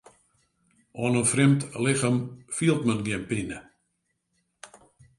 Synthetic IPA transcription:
ʔɔnənfrɪmtlɪxəmfiəlˠtmənɡiənpinə

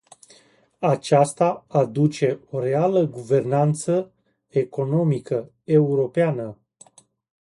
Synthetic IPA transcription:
at͡ʃast̪aːd̪ut͡ʃe̞o̞ɾe̞aləɡuve̞rnant̪sə | e̞ko̞no̞mikə | e̞uɾo̞peanə

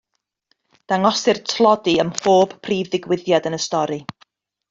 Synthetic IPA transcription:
d̥aŋɔsɨrtʰlˠɔdiəmfoːb̥ʰriːvðɪɡwɪðjadənəstɔɾɨ

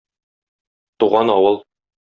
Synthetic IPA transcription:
t̪uʁɑnɒwɤlˠ

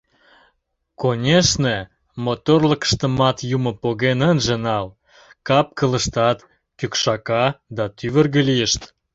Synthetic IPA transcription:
konʲeʃne | mot̪orlə̆kə̥ʃt̪ə̆mɑt̪jumə̆poɣenənʒĕnɑl | kɑp̚kələ̆ʃt̪ɑt̪ | kykʃɑkɑd̪ɑt̪yβərɣə̆lijəʃt̪

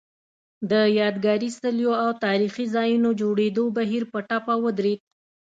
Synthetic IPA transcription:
d̪əjɑd̪ɡɑɾist̪əljoawt̪ɑɾixizɑjunod͡ʒoɽed̪obaɦiɾpəʈapawəd̪ɾed̪̚

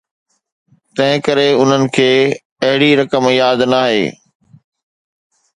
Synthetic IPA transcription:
t̪ɐ̃ɦɪ̃kəɾeʊn̤ənɪ̆kʰeː | ɐɦɪɽiɾɐkəmjaːd̪naːɦḛː

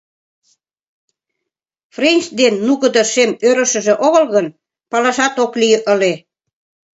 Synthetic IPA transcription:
frenʲt͡ɕd̪enːuɣə̆d̪ə̆ʃemøɾə̆ʃə̆ʒĕʔoɣɤ̆lɣən | pɑlɑʃɑt̪oklijəʔə̆le

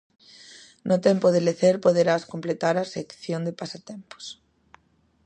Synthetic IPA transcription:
nʔot̪empoðeleθeɾpoðeɾaskomplet̪aɾasekθjond̪epasat̪empo̥s

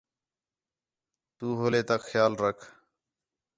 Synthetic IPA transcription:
t̪uːɦoːleːt̪aːxʰjaːlɾəkʰ

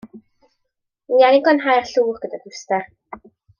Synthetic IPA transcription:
ijanɪɡɔnɦajrɬuːχɡ̥ədadʊstar

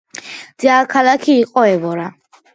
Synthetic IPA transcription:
d̪̥iaːkʰalakʰiːqʼɔɛbɔɾa

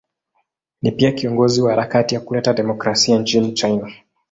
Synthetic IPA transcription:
nipiakiɔŋɡɔziwahaɾakatijakulɛtaɗɛmɔkɾasiant͡ʃinit͡ʃajna

